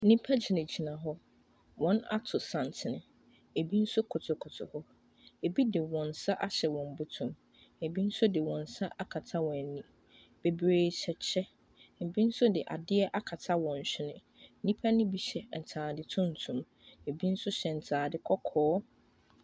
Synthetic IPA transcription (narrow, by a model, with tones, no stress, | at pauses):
n̩˦nĩ˦pʰa˦d͡ʑi˨nɪ̃˨d͡ʑi˨nã˨ɦɔ˦ | wɔ̃˨˦na̰˦tʰʊ˨sã˨n˨tʰɪ˨nʊ̃˨ | e˨bi˦n̩˦sʊ˦kʰʊ˨tʰʊ˨kʰʊ˨tʰʊ̰˨hɔ˦ | e˨bi˦dɪ˨wɔ̃˨n̩˨sa˦ʔa˦ɕɛ˨wɔ̃˨m˨˦bʊ˦tʰʊ̃˨m | e˨bi˦n̩˦sʊ˦dɪ˨wɔ̃˨n̩˨sa˦ʔa˦kʰa˨tʰa˦wɔ̃˨nĩ˨ | b̥e˨bɾeː˨ɕʰɛ˨t͡ɕʰɛ˦ | n̩˨bi˦n̩˦sʊ˦dɪ˨ʔa̰˨dɪ˦ɛ˦ʔa˦kʰa˨tʰa˦wɔ̃˨n̩˨ɕᶣɪ˦nʊ̃˨˦ | nĩ˦pʰa˦nɪ̃˦bi˨ɕɛ˨n̩˨tʰaː˨dɪ˨tʰʊ̃˦n̩˨tʰũ˨m | e˨bi˦n̩˦sʊ˦ɕɛ˨n̩˨tʰaː˨dɪ˦kʰɔ˦kʰɔː˦